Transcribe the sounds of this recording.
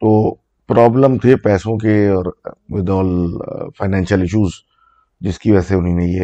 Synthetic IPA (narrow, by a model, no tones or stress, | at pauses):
t̪oː | pɾɔːbləmt̪ʰepɛːsõkeɔːɾʋɪd̪ɔːlfaɪnɛ̃ːnʃəlɪʃuːz | d͡ʒɪskiʋɛːseʊninɐɦiɦɛː